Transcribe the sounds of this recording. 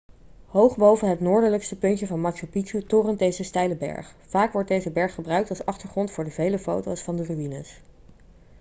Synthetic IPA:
ɦowχbowvənɦətnʊːɹdələkstəpɵntəvɑnmɑksopiutʊːrəndejzəstɛjləbɛ̰ɹχfaːkʋɔɹt̚dejzəbɛɹχːəbrœɥk̚tɑlˠsɑχtəɹχrɔntfʊːɹdəvejləfo̰wtowsfɑndəryinə̰s

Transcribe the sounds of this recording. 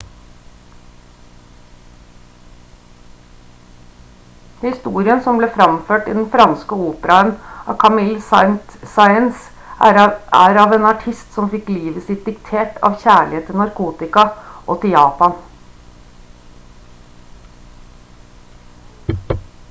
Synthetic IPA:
hɪst̪uːɾɪənsɔmbleːfɾɑmføːʈɪd̪n̩fɾɑnskəuːpəɾɑənʔɑ̰ːkʰɑmɪlsnt̪sɑɪəns | æːɾɑːʋeːnɑʈʰɪst̪sɔmfɪkliːʋəsɪt̪̚d̪ɪkt̪ʰeːʈɑ̰ːʋçæːɭɪeːt̪ːɪlnɑɾkʰuːt̪ɪkɑʔoːt̪ʰɪljɑːpɑn

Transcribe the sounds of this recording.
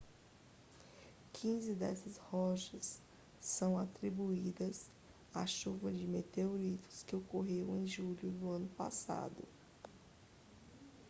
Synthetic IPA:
kʰĩzɪd̪ɛ̰sɐshɔʃɐsː | ɐ̃w̃at̪ɾibuid̪ɐs | aʃuvɐd͡ʒɪmet̪eoɾit̪ʊ̥skɪokoɦeɾɐ̃ẽj̃ʒuʎʊd̪ʊɐ̃nʊpa̰sa̰d̪ʊ̰

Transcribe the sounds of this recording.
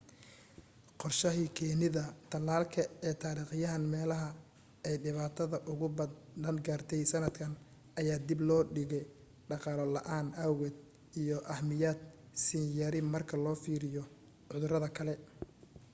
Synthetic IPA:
qɔrʃɐɦiːkʰɛːnɪðɐt̪ʰɐlːaːlkʰɐɛːt̪ʰaːɾiːqɪjɐɦɐnmɛːlɐɦɐ | ɛjɖɪβaːt̪ʰɐðɐʔʊɣʊbɐd̪ɐnɡaːrt̪ʰɛjsɐnɐd̪kʰɐn | ʔɐjaːd̪ɪblɔːɖɪɣɛj | ɖɑqɑlɔlɐʔaːnɐwɣɛd̪ | ijɔʔɐhmɪjaːd̪̚ | sɪnjɐɾɪmɐrkʰɐlɔːfiːɾɪjɔ | ʕʊðʊɾɐðɐkʰɐlɛ

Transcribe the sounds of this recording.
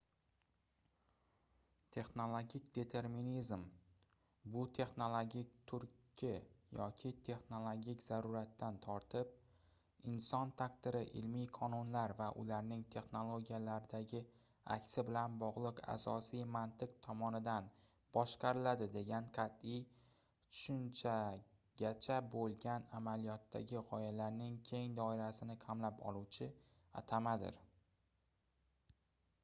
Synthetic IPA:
t̪ʰe̞χno̞lˠoɡʲikʲd̪e̞t̪ʰe̞ɾminizm | bʊt̪ʰe̞χno̞lˠoɡʲik̚ʲt̪ʰʊɾkʲʰːɪjɒkʲʰɪt̪ʰe̞χnolˠoɡʲikʲzaɾuɾat̪ːant̪ʰɒɾt̪ʰɪp̚ | ɪnsɒnt̪ʰakt̪ɪɾɪʔɪ̰lmijqʰɒnʊnlaɾvaʔʊ̰laɾnɪŋt̪ʰe̞χno̞lˠoɡʲijalaɾɪd̪aɡʲɪ | a̰kʲsɪbɪlanbɒʁlˠɨqa̰sɒsijmant̪ɪqt̪ʰɒmɒnɪd̪an | bɒʃqʰɑɾɪlad̪ɪd̪e̞ɡʲanqʰɑt̪ɪj | t̪ʰʊ̥ʃʊnt͡ʃʰa | ɡʲat͡ʃʰabolˠɡʲanamalijɒt̪ʰːa̰ɡʲɪʁɒjalaɾnɪŋkʲʰe̞ŋd̪ɒɪɾasɪnɪkʰamlapɒ̰lˠuwt͡ʃʰɪ | a̰t̪ʰamad̪ɪ̰ɾ

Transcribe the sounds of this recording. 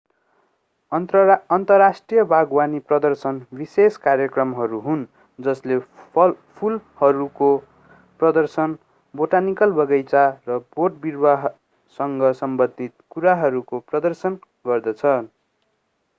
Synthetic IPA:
ʌʌnt̪ʌrasʈrijʌbʱaɡwaniprʌd̪ʌrsʌnbiseskarjʌkrʌmɦʌɾuɦun | d͡zʌsle | pʰulhʌɾuko | prʌd̪ʌrsʌn | boʈanikʌlbʌɡʌjt͡sarʌboʈ̚birbaɦ | sʌŋɡʌsʌmbʌd̪ʱit̪̚kuɾaɦʌɾukoprʌd̪ʌrsʌn | ɡʌrd̪ʌt͡sʰʌ

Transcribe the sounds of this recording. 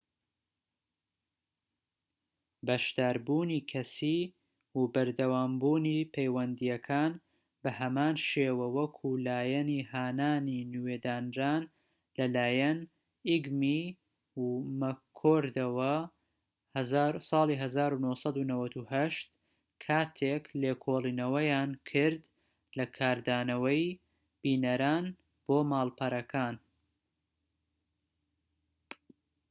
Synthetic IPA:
bɐʃd̪aːɾbuːniːkʰɐsiː | wubɐɾd̪ɐwaːmbuːniːpʰejwɐnd̪ijɐkʰaːn | bɐhɐmaːnʃeːwɐwɐkʰulaːjɐniːhaːnaːninweːd̪aːnɾaːn | lɐlaːjɐn | iɡmi | mɐkʰoːɾd̪ɐwɐ | sˤɑːlˠiːɦɐzaːɾunohsˤɑd̪unɐwɐt̪uhɐʃt̪ | kʰaːt̪ʰekleːkʰoːlˠiːnɐwɐjaːnkʰɨɾd̪ | lɐkʰaːɾd̪aːnɐwɐj | b̥iːnɐɾaːn | b̥oːmaːlpʰɐɾɐkʰaːn

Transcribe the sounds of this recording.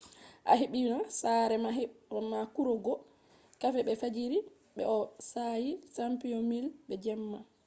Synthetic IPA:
ʔa̰ɦeɓinasaɾɛamakuɾɔɡɔ | kafɛɓɛfad͡ʒiɾi | ɓɛ̰ɔsajisampijɔmilɓɛd͡ʒɛmːa

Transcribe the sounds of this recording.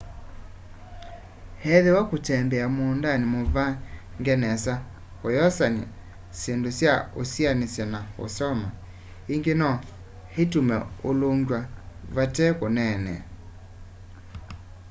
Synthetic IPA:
hɛðewakotɛmbɛamondanimoβa | ŋɡɛnɛsa | hojɔsana̰ | sendosjaosjanesjɛnao̰sɔma | iŋɡenɔ | hetumɛoloŋɡwaβatɛkonɛnɛ̰

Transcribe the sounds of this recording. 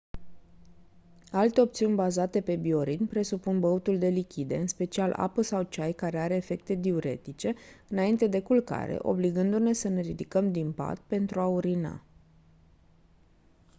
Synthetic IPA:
alt̪e̞o̞p̚t̪siunʲbazat̪e̞pe̞bio̞ɾid̪npɾe̞supunbəut̪uld̪e̞likʲid̪e̞ɨnspe̞t͡ʃialʔa̰pəsawt͡ʃajkaɾe̞aɾe̞ːfe̞k̚t̪e̞d̪iuɾe̞̰t̪it͡ʃe̞ɨnaint̪e̞d̪e̞kulka̰ɾḛʔo̞̰bliɡɨnd̪une̞səne̞ɾid̪ikəmd̪impa̰t̪̚pe̞nt̪ɾuauɾina̰

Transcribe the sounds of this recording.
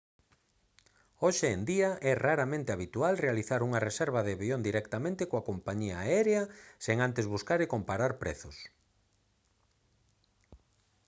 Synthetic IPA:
oʃeend̪iɐʔɛraɾamẽnt̪eaβit̪ualrealiθaɾuŋɐresɛɾβ̞ɐðeβiond̪iɾɛkt̪amẽnt̪ekoakompaɲiaaɛɾeɐseŋant̪ezβuskaɾekompaɾaɾpɾɛ̰θʊs

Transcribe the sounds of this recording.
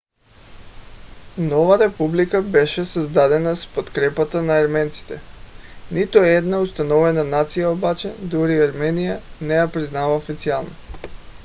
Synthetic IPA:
nɔvaɾɛpublikabɛʃɛsazd̪ad̪ɛnaspot̪kɾɛpat̪anaːɾmɛnt̪si̥t̪ɛnit̪uɛd̪naust̪anɔvɛnanat̪sijaobat͡ʃɛd̪uɾiaɾmɛnijanɛjapɾiznavaofit̪sialˠno

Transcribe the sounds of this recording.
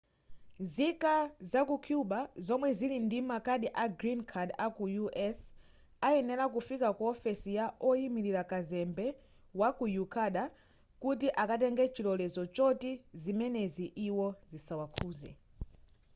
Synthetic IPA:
zikazakukʰjuɓazɔmwɛzilindimakaɗiʔaɡɾinkʰadakujuʔɛs | aɛnɛlak̬ufikakuɔfɛsijaʔɔjimiɾiɾakazɛmbɛ | wakujukʰaɗa | kutiʔakat̬ɛŋɡɛt͡ʃilɔlɛzɔt͡ʃɔtizimɛnɛziʔiwɔzisawakʰuːzɛ̰

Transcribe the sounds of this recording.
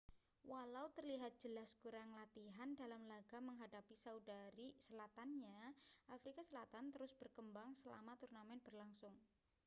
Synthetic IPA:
walaut̪ərliɦat̪̚dd͡ʒ̥əlaskuɾaŋlat̪iɦandalamlaɡ̥aməŋɦadapisaudaɾisəlat̪anɲaʔafɾikasəlat̪ant̪əɾʊsb̥ərkəmbaŋsəla̰mat̪urnamɛnb̥ərlaŋsʊŋ

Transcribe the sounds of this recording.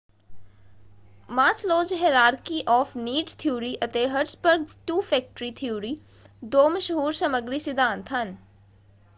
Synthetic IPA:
maːsloːd͡ʒɦeɾaːɾkiʔɔːfniːɖt̪ʰjuːɾiʔɐt̪eːɦəʈsbəɾɡ̚ʈuːfɛːk̚ʈɾit̪ʰiuːɾiː | d̪oːməʃəɦuːɾsɐməɡɾisɪd̪ãːnt̪ʰɦɐn

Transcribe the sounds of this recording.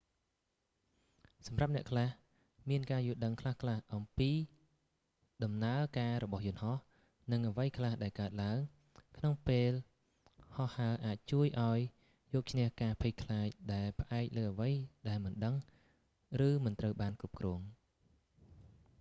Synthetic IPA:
sɑmrap̚nɛ̆əʔkʰlah | miənkaːjuəlɗəŋkʰlahkʰlahʔɑmpiː | ɗɑmnaəkaːɾɔɓɑhjʊ̆ənhɑh | nɨŋʔəʋəjkʰlahɗaɛlkaət̪̚laəŋ | kʰnoŋpeːl | hɑhːaəʔaːc̚t͡ɕuəjʔaɔj | jɔːk̚t͡ɕʰnɛ̆əhkaːpʰic̚kʰlaːc̚ɗaɛlpə̆ʔaɛk̚ləːʔəʋəjɗaɛlmɨnɗəŋ | rɨːmɨnt̪rəwɓaːnkrup̚krɔːəŋ

